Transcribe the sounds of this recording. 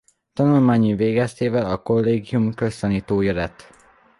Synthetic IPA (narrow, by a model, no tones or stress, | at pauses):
t̪ɒnulmaːɲiveːɡɛst̪eːvɛlɒko̞lːeːɡijumkø̞st̪ɒniːt̪oːjɒlɛt̪